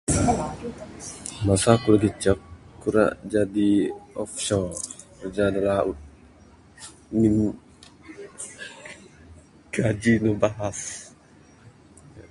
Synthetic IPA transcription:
masakuɾaɡit͡ʃəkːuɾa̰ʔd͡ʒadiɔfʃɔrd͡ʒadalaut̪̚ | min | ɡ̥ad͡ʒinɔbaɦas

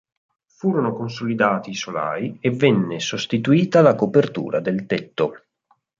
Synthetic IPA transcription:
fuːɾonokons̬olid̪aːt̪iːsola̰ːjevːenːesost̪it̪uiːt̪alakopert̪ṵːɾad̪elt̪et̪ːo

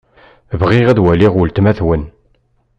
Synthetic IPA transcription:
vʁɪʁæðwæliʁʊlt̪mæθwən

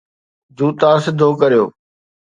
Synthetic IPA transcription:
d̪uːt̪aːsɪd̪ʱːoːkɐɾijo̰ː

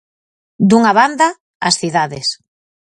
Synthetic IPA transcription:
d̪uŋaβand̪a | a̰sθiðaðes

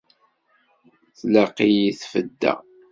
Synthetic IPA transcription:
θləqːijiθfəd̪ːæ̰

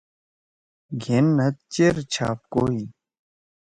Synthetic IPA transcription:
ɡʱenːɐt̪̚t͡ɕeɾt͡ɕʰa̰ːp̚koːi

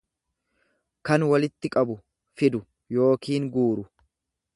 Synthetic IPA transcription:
kɐnwɐlɪt̪ːɪkʼɐbʊ | fɪd̪ʊ | jo̞ːkiːŋɡuːɾʊ

